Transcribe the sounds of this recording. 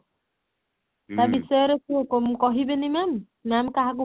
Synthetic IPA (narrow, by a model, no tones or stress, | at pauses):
t̪abisɔɾesuokomkɔɦibenimamː | amkaɦaku